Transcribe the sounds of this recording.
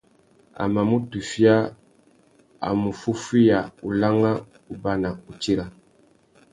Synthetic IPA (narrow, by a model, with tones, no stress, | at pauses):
a̰˨ma˨mu˦tu˨fi˦a˦ | a̰˨mu˨fu˦fi˦ja˨u˨la˦ŋa˦ | u˨ba˦na˨u˨t͡ʃi˦ɾa˨